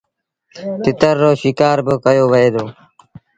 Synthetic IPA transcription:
t̪ɪt̪əɾːoːʃɪkaːɾbəkəjoːʋəɦeːd̪oː

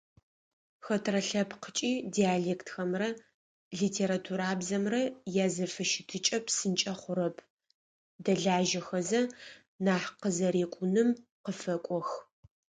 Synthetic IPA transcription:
xɐtʰrɐɬɐpqət͡ʃʼiːdiaːɮeːktxɐmrɐ | ɮiːtʰeːɾatʰuɾaːbzɐmrɐjaːzɐfɨʃɪtʰɨt͡ʃʼɐpʰsɨnt͡ʃʼɐχʷʊɾɐpʰ | dɐɮaːʒɐxɐzɐ | naːħqəzɐɾeːkʷʼʊnɨmqəfɐkʷʼɔx

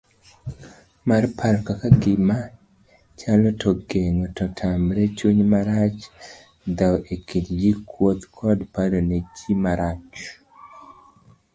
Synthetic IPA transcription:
marpʰaɾkakaɡɪma | t͡ʃalɔtʰɔɡeŋɔtɔtʰamɾet͡ʃuɲmaɾat͡ʃ | d̪awʔekidɡikʰwot̪kʰɔdpaɾonet͡ʃimaɾat͡ʃ

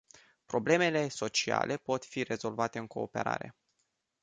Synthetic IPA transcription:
pɾo̞ble̞me̞le̞so̞t͡ʃia̰lʔe̞po̞t̪fire̞zo̞lvat̪e̞ɨŋko̞ːpe̞̰ɾa̰ɾe̞̰

